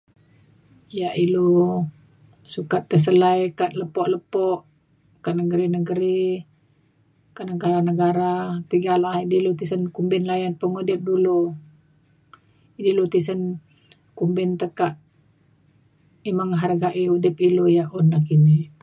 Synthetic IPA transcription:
jaʔilo | sukat̪ːəs̬əlajkaʔ̪ləpɔʔləpɔʔ | kaʔnəɡəɾinəɡəɾi | kaʔnəɡaɾanəɡaɾat̪iɡalaidilut̪isənkumbɪnlajanpəŋudɪp̚dulu | idilut̪isən | kumbɪnt̪əkaʔ | imaŋɦarɡaʔiudɪpilojaʔunːakini

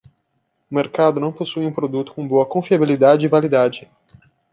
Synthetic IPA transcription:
ʊmeɾkad̪ʊnɐ̃w̃posujũpɾod̪ut̪ʊ̥kõboɐkõfiabilid̪ad͡ʒɪːvalid̪ad͡ʒɪ

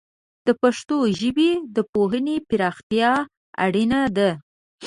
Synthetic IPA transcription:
d̪̥əpaʂt̪oʒəbid̪əpoɦənepɪɾɑxt̪jɑ | a̰ɽinad̪a

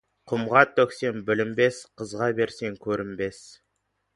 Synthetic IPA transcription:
qʰʊmʁɑt̪ʰːɵkse̞nbɪlɪmbe̞sqʰəzʁɑbe̞ɾse̞ŋkʲʰɵɾɪmbe̞s

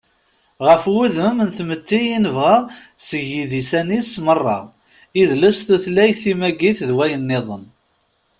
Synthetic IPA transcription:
ʁəfwuðəmnθmət̪ːijinəvʁæsəʝiðisænismərˤːɑ̰ | iðləst̪uθlæjθimæɡiθðwæjənːɪðˤən

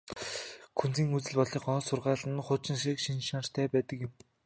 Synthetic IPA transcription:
kʰunt͡siːŋut͡sɘ̆ɮpɔɮiːχɔːsʊrʁaːɮə̆nχʊt͡ɕɪ̆nʃikʃinʃanr̥t̪ʰæːpæːt̪ə̆kjɪ̆m

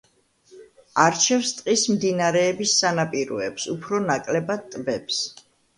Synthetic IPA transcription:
aɾt͡ʃʰɛfst̪ʼqʼismd̪inaɾɛːbisːanapʼiɾɔɛpsupʰɾɔnakʼlɛbad̪̚t̪ʼbɛps

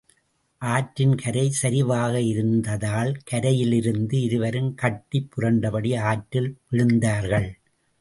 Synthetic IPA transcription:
ʔaːʈɾɪnkʰɐɾɐɪsɐɾɪʋaːɣɐɪɾɯnd̪ɐðaːlkɐɾɐjɪlɪɾɯnd̪ɯɪɾɯʋɐɾɯmkɐʈːipːʊɾɐɳɖɐpɐɽiaːʈɾɪlpɪɻɯnd̪aːɾɣɐɭ

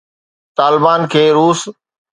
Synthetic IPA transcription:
t̪aːlɪbaːnkʰeːɾuːs

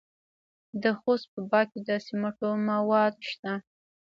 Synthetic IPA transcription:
d̪əxost̪̚pəbɑked̪əsimaʈomawɑd̪ʃt̪a

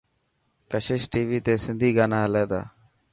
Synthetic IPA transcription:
kəʃɪʃʈiːʋiːt̪eːsɪnd̪ʱiːɡaːnaːɦəleːd̪a̰ː

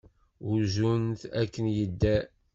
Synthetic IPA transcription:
uɾʒunt̪ækːənjəd̪ːæ

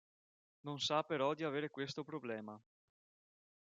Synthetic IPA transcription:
nonsapeɾɔd̪iaveːɾekwest̪opɾoblɛːma

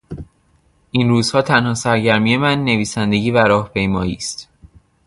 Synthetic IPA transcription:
ʔinruːz̥hɒːt̪ʰænhɒːsæɾɟæɾmiːje̞mænːe̞viːsænd̪e̞ɟiːvæɾɒːhpʰe̞jmɒːjiːst̪

